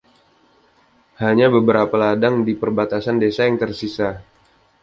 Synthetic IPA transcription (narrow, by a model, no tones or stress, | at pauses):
haɲabəbəɾapaladaŋdipərbat̪asandesajaŋt̪ərsisa